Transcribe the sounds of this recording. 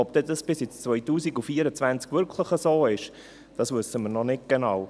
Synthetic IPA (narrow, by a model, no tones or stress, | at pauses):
ɔp̚d̥̪ɛdɑsb̥ɪsjɪt͡st͡svœʏtuːsiɡufiːəɾət͡svænt͡skvʏɾkʰləχəsoːɪʃ | d̥ɑsvɵsːəməɾnɔnɪt̚ɡ̥enɑːw